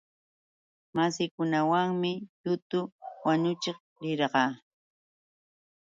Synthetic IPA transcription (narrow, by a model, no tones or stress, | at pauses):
masɪkʊnawaŋmɪt̪ʊt̪ʊwaɲʊt͡ʃeq | ɾɪɾɢɑː